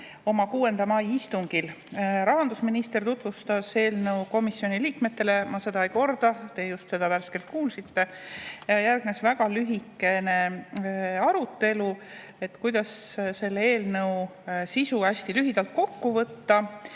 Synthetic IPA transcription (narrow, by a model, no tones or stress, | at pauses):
o̞mɑkuːe̞nd̪ɑmɑjist̪uŋɡ̥il | ɾɑɦɑnd̪usminist̪e̞rt̪ut̪vust̪ɑse̞ːlnɤwko̞misːjo̞niliːkme̞t̪ːe̞le̞mɑse̞d̪ɑejko̞rd̪̥ɑt̪e̞ːjust̪se̞d̪̥ɑværske̞lt̪̚kuːlsit̪ːe̞ɑjærɡ̥nesvæɡ̥ɑlyɦikːe̞ne̞ | ɑɾut̪ːe̞lu | e̞t̪ːkujd̪̥ɑsse̞lːee̞ːlnɤwsisuæsʲt̪ilyɦid̪̥ɑlt̪̚ko̞kːuvɤt̪ːɑ